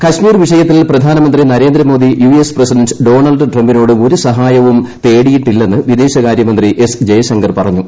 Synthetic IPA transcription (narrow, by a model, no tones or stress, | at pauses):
kɐɕmiːrʋiʂɐjɐt̪ːilprɐd̪ʱaːnɐmɐnd̪rinɐɾe̞ːnd̪ɾɐmo̞ːd̪ijuesprɐsiɖɐnɖɨɖo̞ːɳɐlɖʈrɐmbinoːɽɨo̞ɾusɐɦaːjɐʋumt̪e̞ːɽijiʈːilːe̞nːɨʋid̪eːɕɐkaːɾjɐmɐnd̪riʔe̞sd͡ʑejɐsɐŋɡɐrpɐrɐɲːu